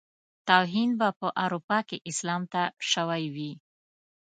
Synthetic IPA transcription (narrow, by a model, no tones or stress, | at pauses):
t̪awɦinbapəʔawɾupɑkeʔɪslɑmt̪aʃəwajwi